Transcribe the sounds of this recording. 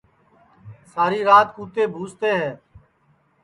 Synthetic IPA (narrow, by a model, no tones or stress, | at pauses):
saːɾiːɾaːt̪kuːt̪eːbʱuːst̪eːɦɛ̃ː